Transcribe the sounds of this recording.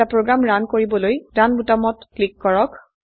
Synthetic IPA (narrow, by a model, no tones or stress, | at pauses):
apɹoɡɹamɹankoɹibɔlojɹanbutamɔtklikːɔɹɔk